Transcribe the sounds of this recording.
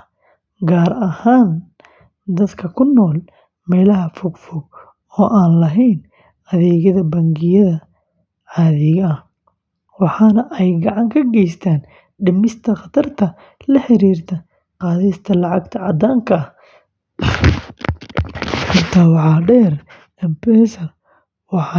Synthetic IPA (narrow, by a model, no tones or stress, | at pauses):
ɡaːɾɐhaːn | d̪ɐd̪kʰɐkʰʊnːɔːl | mɛːlɐɦɐfʊɡfʊɡ | ɔːʔaːnlɐɦɛjn | ɐðɛːɣɐðɐbɐŋɡɪjɐðɐ | ʕɑːðɪɣɐɐh | wɑħɑːnɐʔɛjɡɐʕɑŋkʰɐɡɛjst̪ʰaːn | ɖɪmɪst̪ʰɐqɑt̪ʰɐrt̪ʰɐ | lɐħɪɾiːrt̪ʰɐ | qɑːðɛjst̪ʰɐlɑʕɑɡt̪ʰɐʕɑd̪aːŋkʰɐɐh | hʊrt̪ʰaːwɑħɑːɖɛːr | ɛmpɛːsɐr | wɑħɑ